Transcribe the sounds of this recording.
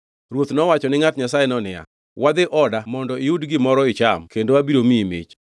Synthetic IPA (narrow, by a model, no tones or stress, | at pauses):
ɾwot̪nɔwat͡ʃɔnɪŋatɲasajenɔnɪja̰ | wad̪ɪʔɔdamɔndɔiudɡɪmɔɾɔɪt͡ʃamkendowabiɾomimɪ̰t͡ʃ